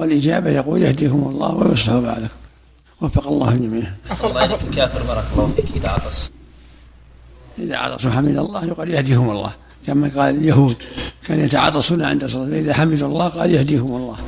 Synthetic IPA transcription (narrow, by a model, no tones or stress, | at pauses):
walʔɪd͡ʒaːbajɑquːljahd̪iːhʊmɑlˤːɑ̰ːhwajɑsˤːɪħʊba̰ʕlakʊm | wafːɑqɑlˤːɑ̰ːhʊd͡ʒamiːnhːɑlekkaːfɪɾbɑːɾˤɑkɑlːˤɑːhfiːkɪt̪aʕɑ̰t̪ˤɑsˤ | ʔɪða̰ʕɑ̰t̪ˤɑsˤuħamid̪ɑlˤːɑːhjqɑːljahd̪iːhʊmɑlˤːɑ̰ːh | kamaqɑːlɪljaɦuːd̪kaːnjat̪aʕɑ̰ːt̪ˤɑsunaʕɪ̰nd̪asˤɑlaːt̪faʔɪðaħamɪd̪uɑlˤːɑːhqɑːljahd̪iːhʊmɑlˤːɑːh